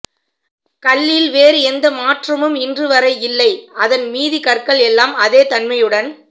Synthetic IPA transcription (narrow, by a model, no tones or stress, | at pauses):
kɐɭːɪlʋeːɾɯɛnd̪ɐmaːʈrɐmɯmɪndrɯʋɐɾɐɪɪlːɐɪɐðɐnmiːðikɐrkɐɭɛlːaːmɐðeːt̪ɐnmɐjɯɽɐn